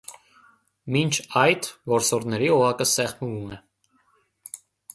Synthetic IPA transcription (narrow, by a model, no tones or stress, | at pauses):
mint͡ʃʰɑjt̪vɔɾsɔɾnɛɾiɔʁɑkəsɛχməvumɛ